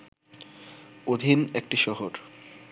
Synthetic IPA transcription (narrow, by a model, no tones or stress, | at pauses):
od̪ʱinek̚ʈiʃɔɦoɾ